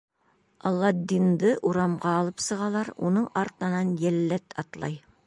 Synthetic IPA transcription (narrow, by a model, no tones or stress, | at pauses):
ɑlˠːɑd̪ind̪ɤʔuɾɑmʁɑːlˠɤpsɤ̆ʁɑlˠɑɾṵnɤɴɑɾt̪ɤ̆nɑnjælːæt̪ʰɑt̪lˠɑ̰j